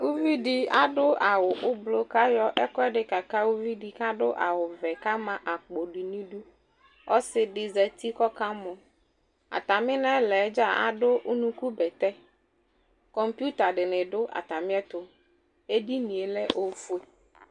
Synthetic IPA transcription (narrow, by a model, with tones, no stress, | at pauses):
wu˦vi˦ɖi˦a˦ɖʊ˦a˨wʊ˨ʔʊ˦blo˦ka˦jɔ˦ʔɛ˦kɔ˦ɛ˦ɖɪ˨ka˨ka˦wʊ˦vi˦di˨ka˦ɖʊ˦ʔa˨wʊ˨vɛ˨ka˦mã˨ʔa˨k͡po˨ɖi˨nĩ˦ɖu˦ | ɔ˦sɪ˨ɖɪ˨zɛ˨t̪i˦kɔ˦ka˦mʊ̃˨ | a̰˨t̪a˨mɪ̃˦nɛ̃˦lɛ˨˦d͡ʒa˦˨a̰˨ɖʊ˦ʔʊ˦nũ˦ku˦bɛ˨t̪ɛ˦ | kɔ˨mpju˦t̪a˨ɖɪ˨nɪ̃˨ɖʊ˦ʔa̰˨t̪a˨mɪ̃˦ɛ˦t̪ʊ˨ | e˦di˦nĩ˨e˨lɛ˦ʔo˦fʊ˦e˦